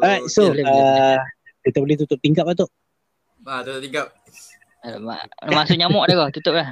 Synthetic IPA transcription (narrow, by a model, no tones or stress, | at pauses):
rajsolə | kit̪əbəlɪht̪ut̪ʊʔ̚t̪iŋkap̚at̪oʔ | at̪ut̪ʊt̪iŋɡap̚ | ma̰masʊkɲamɔʔdakɔt̪ut̪ʊp̚lah